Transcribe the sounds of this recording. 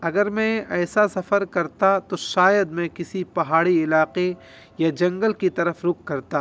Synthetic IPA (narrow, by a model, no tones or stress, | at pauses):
ɐɡəɾmɛ̃ɛːsasɐfəɾkɐɾt̪at̪oʃaːjəd̪mɛ̃kɪsipɐɦaːɽiɪlaːqe | jad͡ʒɐ̃ŋɡəlkit̪ɐɾəfɾʊkʰːɐɾt̪aː